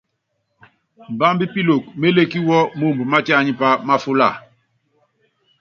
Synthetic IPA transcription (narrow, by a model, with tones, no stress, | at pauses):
m̩˨ba˦mbi˦pi˦lo˨k̚me˦le˦ki˦wɔ˦mo˦˨mbo˨ma˦ta˦˨ɲi˦pa˦ma˦fu˦la̰˦˨